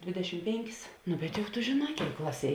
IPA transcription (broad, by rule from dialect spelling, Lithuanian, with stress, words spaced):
ˈdʲʋʲeːdʲɛˌʃʲɪm ˈpʲeːŋʲˌkʲɪs nʊ bʲɛt jʊk tʊ ʒʲeːˈnɑː ˈkʲeːɪk ˈklˠɑːˌsʲiɛ